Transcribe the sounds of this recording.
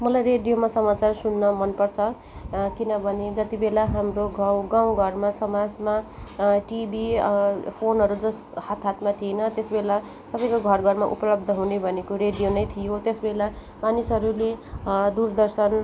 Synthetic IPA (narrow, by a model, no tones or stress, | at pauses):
mʌlajreɖijomasʌmat͡sarsunːʌmʌnpʌrt͡sʰʌ | kinʌbʱʌned͡zʌt̪ibelaɦamroɡʌwɡaw̃ɡʱʌrmasʌmad͡zmaʈibʱipʰonɦʌɾud͡zʌs | hat̪ʰat̪ʰmat̪ʰienʌt̪esbela | sʌbʌjkoɡʱʌrɡʱʌrmaʔupʌlʌb̚d̪ʱʌɦunebʱʌnekoɾeɖijonʌjt̪ʰijot̪esbela | manisɦʌɾuled̪urd̪ʌrsʌn